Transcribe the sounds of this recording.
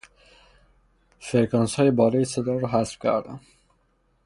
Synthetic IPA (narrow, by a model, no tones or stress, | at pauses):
feɾkɒnshɒːjebɒːlɒːjesed̪ɒːɾɔɦæsb̥kʲʰæ̰ɾd̪æm